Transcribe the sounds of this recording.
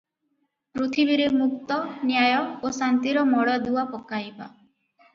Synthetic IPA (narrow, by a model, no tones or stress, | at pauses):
pɾut̪ʰibiɾemuk̚t̪ɔnjajɔosant̪iɾɔmɔɽɔd̪uwapɔkajba̰